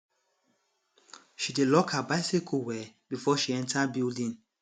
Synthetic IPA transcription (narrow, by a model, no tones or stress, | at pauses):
ʃidelɔkhabaɪsikʰowɛbifɔʃiɛ̃ntʰabildĩn